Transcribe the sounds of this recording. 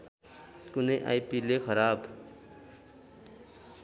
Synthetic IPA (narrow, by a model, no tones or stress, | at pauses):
kʊneʔa̰ːipilexɐɾaːb